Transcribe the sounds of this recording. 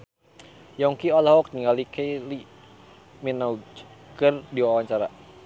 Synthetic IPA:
jɔŋkiɔlahɔk̚niŋalikejli | minaukərdiwawaɲt͡ʃaɾa

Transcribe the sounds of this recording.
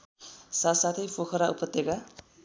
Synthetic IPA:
sasat̪ʰʌjpʰokʰʌɾaupʌt̪ːeɡa

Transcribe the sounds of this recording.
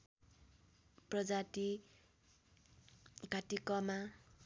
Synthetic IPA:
prʌd͡zati | ɡʱat̪ikʌma

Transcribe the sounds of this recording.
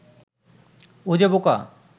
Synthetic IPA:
od͡ʑeboka

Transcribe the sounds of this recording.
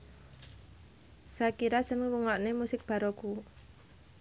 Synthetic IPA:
sakiɾasənwuŋaʔnemusɪk̚b̥a̤ɾoku

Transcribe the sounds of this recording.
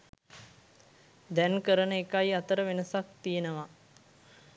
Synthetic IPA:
d̪ɛnkəɾənəekajat̪əɾəʋenəsak̚t̪ijenəʋa

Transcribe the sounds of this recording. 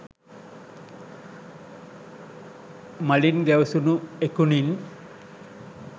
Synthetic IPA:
malinɡ̪awsunuekunin

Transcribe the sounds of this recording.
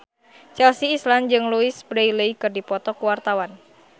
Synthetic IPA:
t͡ʃɛlsiːsland͡ʒɨŋluisbɾejleikɨrdipɔt̪ɔkuwart̪awan

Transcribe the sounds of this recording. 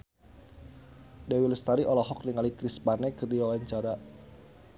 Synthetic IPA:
dɛwiləst̪aɾiʔɔlɔɦɔk̚niŋalikɾispanɛkɨrdiawaɲt͡ʃaɾa

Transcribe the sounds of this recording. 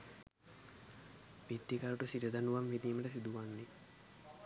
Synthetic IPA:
bid̪ːikaɾuʈusiʈəd̪anuʋamʋid̪iːməʈəsid̪uʋanːi

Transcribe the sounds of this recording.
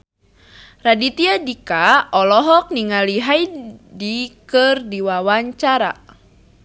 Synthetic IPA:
radit̪iadikaɔlɔɦɔk̚niŋaliɦajdikɨrdiwawaɲt͡ʃaɾa̰

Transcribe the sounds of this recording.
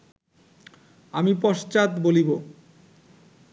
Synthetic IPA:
amipɔʃt͡ɕat̪bolibo

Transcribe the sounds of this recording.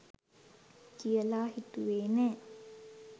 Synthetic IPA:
kijəlahit̪uweːnɛ

